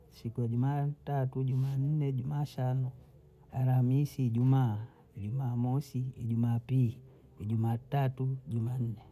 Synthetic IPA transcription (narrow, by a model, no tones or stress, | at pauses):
sikujaɟumaːtatuɟumaːn̩nɛɟumaːʃanɔ | aɾamisiːɟumaː | iɟumaːmɔsiːɟumaːpi | iɟumaːtatuɟuman̩nɛ